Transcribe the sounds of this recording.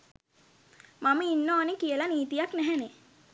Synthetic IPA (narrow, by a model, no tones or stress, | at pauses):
maməinːoːnekijəlaniːt̪ijaknɛɦɛne